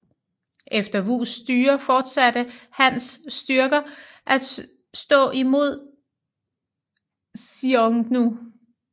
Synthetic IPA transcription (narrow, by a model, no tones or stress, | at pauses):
ʔefd̥ɐʋṵsd̥yːɐfɒːd̥sæd̥əhænsːd̥yɐɡ̥ɐ | ʔæ̥ | sd̥ɔ̰̽ːʔimo̝ð̞̰ˠ | sioŋnu